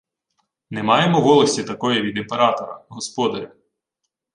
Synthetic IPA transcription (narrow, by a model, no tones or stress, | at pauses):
nɛmɑjemɔʋɔlˠɐsʲtʲit̪ɐkɔjiʋʲid̪ɪmpeɾɑt̪ɔɾɐ̰ɦɔspɔd̪ɐɾʲɐ